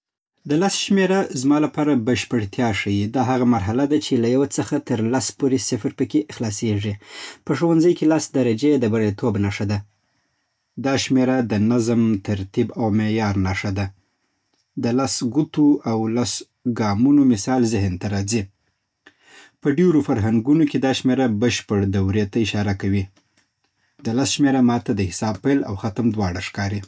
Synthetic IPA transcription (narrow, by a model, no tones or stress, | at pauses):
d̪əlɑsʃmeɾazmɑlapɑɾabəʃpəɽt̪jɑʂajid̪ɑɦaɣamaɾɦalad̪at͡ʃelajawat͡səxat̪əɾlaspoɾesɪfɾpəkeʔɪxlɑseʐipəʂowanzəjkelɑsd̪aɾad͡ʒed̪əbaɽet̪ʰobnaʂad̪a | d̪ɑʃmeɾad̪ənazmt̪ʰaɾt̪ibawmejɑɾnaʂad̪a | d̪əlɑsɡut̪uʔawlas | ɡɑmunomɪsɑlzɪɦnt̪aɾɑzi | pəɖeɾofaɾɦaŋɡunoked̪ɑʃmeɾabəʃpəɽd̪awɾet̪aɪʃɑɾakawi | d̪əlasʃmeɾamɑt̪ad̪əhɪsɑbpela̰wxat̪əmd̪wɑɽaʂkɑɾi